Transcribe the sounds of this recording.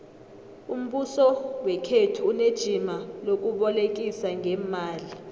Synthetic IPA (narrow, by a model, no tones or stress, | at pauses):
um̩ɓusɔwɛkʰetʰuːned̥ʒ̥ʱimalok̬uɓɔlek̬ʼisaŋʱɛːmaːli